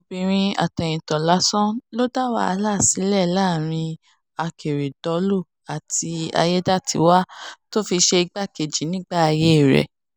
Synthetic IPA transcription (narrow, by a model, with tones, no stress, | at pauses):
o˨bĩ˧˨ɾ̃ĩ˧a̰˨tɛ˨j̃ĩ˨tɔ˨la˨˦sɔ̃˦lo˦da˦wa̰˦a˧la˦˨si˨˦lɛ˦˨˦laː˦˨ɾ̃ĩ˧ | a˧kʰe˨ɾe˨dɔ˧˦lu˦˨ | a˨ti˧a̰˧jɛ˦da˦tʰḭ˧˦wa˦to˦fi˧ʃe˧i˧ɡ͡ba˦ke˨d͡ʒi˨˦nĩ˦ɡ͡ba˦˨a˧je˦i˦˨ɾɛ̰˨